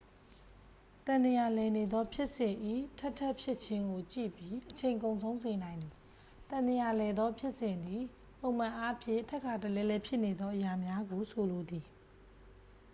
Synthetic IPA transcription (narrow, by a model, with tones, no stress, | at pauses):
t̪ã˨nd̪ə˨ja˨lɛ˨ne˨d̪ɔ˦pʰjɪ˦ʔsɪ̃˨ʔḭ˦˨tʰɛ˦ʔtʰːɛ˦ʔpʰjɪ˦ʔt͡ɕʰɪ̃˦ŋɡo˨t͡ɕḭ˦˨pji˦ʔət͡ɕʰẽ˨ɪ̃ŋkõ˨ʊ̃nsʰõ˦ʊ̃nze˨nã˨ɪ̃nd̪ði˨ | t̪ã˨nd̪ə˨ja˨lɛ˨d̪ɔ˦pʰjɪ˦ʔsɪ̃˨nd̪i˨ | põ˨ʊ̃mã˨ʔa˦ʔpʰjɪ̰̃˦˨tʰɛ˦ʔkʰːa˨tə˨lɛ˨lɛ˦pʰjɪ˦ʔne˨d̪ðɔ˦ʔəja˨mja˦ɡo˨sʰo˨lo˨d̪i˨